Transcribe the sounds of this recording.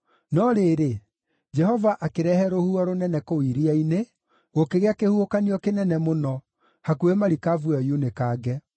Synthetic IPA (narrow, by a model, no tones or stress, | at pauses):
nɔɾeɾe | d͡ʒɛhɔvaʔakeɾɛhɛɾohuɔɾonɛnɛkowiɾiaine | ɣokeɣeakehuhokaniɔkenɛnɛmonɔ | hakuemaɾikavwajunekaːɡɛ